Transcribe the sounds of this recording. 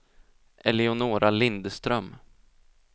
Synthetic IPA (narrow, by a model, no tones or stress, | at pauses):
ʔɛ̰lɪʊnoːɾʔalɪnd̪st̪ɾœm